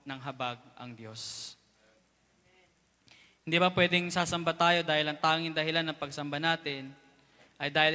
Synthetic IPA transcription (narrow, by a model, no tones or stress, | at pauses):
nɐŋɦɐbaɡ̚ʔɐ̰ŋd̪jo̞s | hɪnd̪iːbɐpwɛːd̪ɛŋsaːsɐmbat̪aːjo̞d̪aːhɪlɐŋt̪aːŋɪŋd̪ɐhɪlanːɐŋpɐɡsɐmbanaːt̪ɪn | ʔɐjd̪aːhɪl